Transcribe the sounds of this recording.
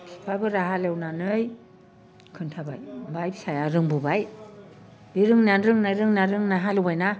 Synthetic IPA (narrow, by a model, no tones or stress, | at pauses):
sʰi̥pʰabɯɾaɦalewnanɯj | kʰɯntʰabajbajpsajaɾɯŋbubaj | iɾɯŋnanɾɯŋnaɾɯŋnaɾɯŋnaɦalubajna